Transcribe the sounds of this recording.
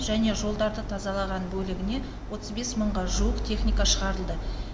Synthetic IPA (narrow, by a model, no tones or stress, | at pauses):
ʒæne̞ʒo̞lˠd̪ɑɾd̪ət̪ʰɑzɑlˠɑʁɑnbɵlɪɡʲɪne̞ | wo̞t̪əzbe̞sməɴʁɑʒuəqt̪ʰe̞χnijkɑʃəʁɑɾəlˠd̪ə